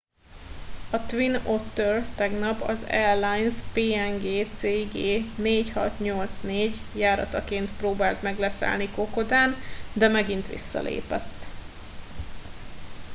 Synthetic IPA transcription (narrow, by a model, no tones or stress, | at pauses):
ɒt̪ʋinot̪ːørt̪ɛɡnɒpɒ̰zɛrlajnspeːɛŋɡeːt̪seːɡeːneːchɒt̪ɲo̞lt̪sneːɟ | jaːɾɒ̰t̪ɒkeːnt̪proːbaːlt̪mɛɡlɛsɛ̰lnikoko̞d̪aːnd̪ɛmɛɡint̪ʋḭsːɒ̰lʔḛːpɛ̰t̪ː